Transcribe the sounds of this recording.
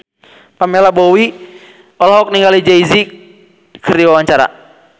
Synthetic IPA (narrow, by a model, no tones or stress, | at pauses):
pamɛlabowi | ɔlaɦɔk̚niŋɡalid͡ʒaizi | kʰəriwawaɲt͡ʃaɾa̰